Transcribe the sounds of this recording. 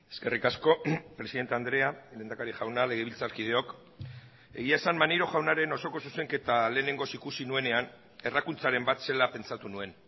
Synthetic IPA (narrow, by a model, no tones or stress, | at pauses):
e̞ske̞rikasko̞pɾe̞siðet̪e̞and̪ɾe̞alenakaɾiʝawnale̞ɣ̞eβilt͡saɾkið̞e̞o̞k | e̞ɣ̞iae̞sanmaniɾo̞ʝawnaɾe̞no̞so̞ko̞suse̞ŋke̞t̪ale̞ːne̞ŋɡo̞sikusinue̞ne̞an | e̞rakunt͡saɾe̞mbat̪se̞lape̞nt͡sat̪unue̞n